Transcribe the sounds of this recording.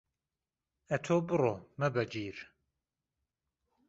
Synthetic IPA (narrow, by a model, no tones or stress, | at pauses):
ɛt̪ʰoːbɨroːmɐbɐd͡ʒiːɾ